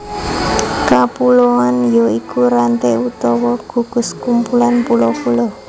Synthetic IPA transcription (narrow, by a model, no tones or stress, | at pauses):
kapuloanjɔikuɾant̪eut̪ɔwɔɡ̥ṳɡ̥ʊ̤skumpulanpulɔpulɔ